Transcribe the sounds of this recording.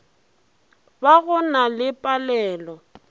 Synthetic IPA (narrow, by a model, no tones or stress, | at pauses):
baɣʊnalɪpʼalɛːlɔ